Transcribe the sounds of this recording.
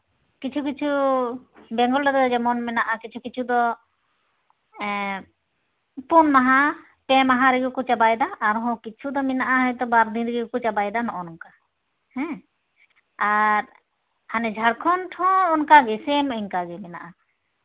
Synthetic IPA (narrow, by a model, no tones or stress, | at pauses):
kit͡ʃʰukit͡ʃʰu | bɛŋɡɔlɾɛd̪ɔd̪ɔd͡ʒɛmɔnmɛnaʔakit͡ʃʰukit͡ʃʰud̪ɔ | ɛ | punmaɦa | pɛmaɦaɾɛɡukɔt͡ʃabajd̪aʔːɾɦɔ̃kit͡ʃʰud̪ɔmɛnaʔaɦɔjt̪ɔbaɾd̪inɾɛɡɡukut͡ʃabajd̪anɔʔɔnɔŋka | hɛ̃ | aɾ | hanɛd͡ʒʱaɽkʰɔnʈʰɔ̃ɔnkaɡɛsɛmɔiŋkaɡɛmɛna̰ʔa